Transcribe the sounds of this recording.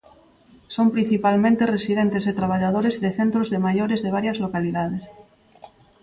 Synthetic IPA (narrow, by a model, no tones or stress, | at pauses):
sompɾin̟θipalmẽnt̪eresiðent̪ezðet̪ɾaβ̞aʎað̞oɾezðeθent̪ɾozðemaʝoɾezðeβ̞aɾjazlokaliðaðes